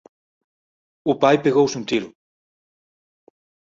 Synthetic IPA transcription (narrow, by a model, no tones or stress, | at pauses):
ʊpajpeɣowsũnt̪iɾʊ